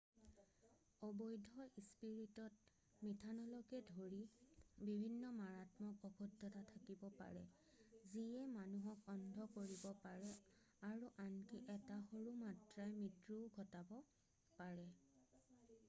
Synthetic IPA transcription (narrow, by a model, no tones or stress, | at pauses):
ɔbɔjdʱɔispiɹitɔt̚ | mitʰanɔlɔkɛdʱoɹibibʱinːɔmaɹatmɔkɔkʰudʱːɔtatʰakibɔpa̰ɹɛ | ziɛmanuɦɔkɔndʱɔkoɹibɔpaɹɛ | aɹuʔankiʔɛtaxoɹumatɹajmitɹuɡʱɔtabɔ | paɹɛ